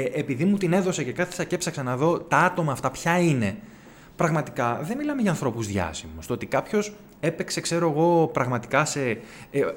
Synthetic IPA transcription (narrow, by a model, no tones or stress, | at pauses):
ʔepiðimut̪ine̞ðose̞ce̞kɐθe̥sɐce̞psɐksɐnɐðo̞t̪ɐɐt̪o̞mɐːft̪ɐpçɐine̞ | pɾɐɣmɐt̪i̥kɐðemilɐmeʝɐːnθɾo̞puzðʝɐ̰simust̪oot̪ikɐpço̞s | e̞pe̞kse̞kse̞ɾo̞eɣo̞pɾɐɣmɐt̪i̥kɐse̞